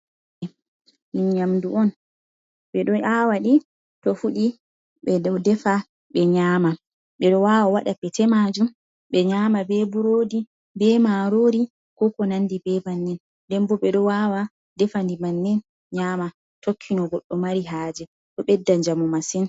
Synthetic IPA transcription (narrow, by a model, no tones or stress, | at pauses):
minɲamduɔn | ɓɛɗɔawaɗi | tɔfuɗi | ɓɛdɛfa | ɓɛɲaːma | ɓɛɗɔwaːwawaɗapɛtɛmad͡ʒum | ɓɛɲaːmabɛbuɾoːdi | bɛmaɾoːɾi | kɔkɔnandibɛbanːɛn | dɛmbɔɓɛɗɔwawa | ddɛfandimanːɛn | ɲaːma | tokʰːinɔɡɔɗːɔmaɾiɦaːd͡ʒɛ | tɔɓɛdːaɲd͡ʒamɔmasɛn